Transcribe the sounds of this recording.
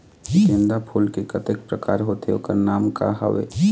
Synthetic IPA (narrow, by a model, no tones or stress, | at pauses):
ʃɪ̃nd̪apʰuːlkekət̪ek̚pɾəkaːɾɦoːt̪eoːkəɾnaːmka̰ɦɐ̰ʋḛː